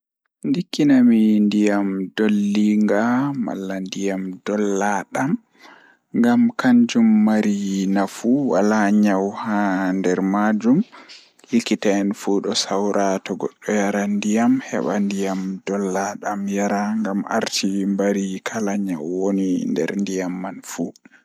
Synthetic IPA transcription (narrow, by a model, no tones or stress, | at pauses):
ndikːinamindijamdolːiŋɡama̰lːandijamdɔlːaɗam | ŋɡamkaɲd͡ʒumːaɾinafuwa̰laɲawhandɛɾmad͡ʒum | likːitaɛnfuɗɔsawɾatɔɡɔɗːɔjaɾandijamhɛ̰ɓandijamdɔlːaɗamjaɾaŋɡama̰ɾtʰimbaɾikʰalaɲawːonindɛ̰ɾndijamːanfu